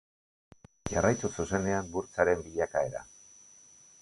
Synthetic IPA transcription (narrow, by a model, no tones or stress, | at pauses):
ʝarajt̪ususe̞ne̞ambuɾt͡saɾe̞mbiʎakae̞ɾa̰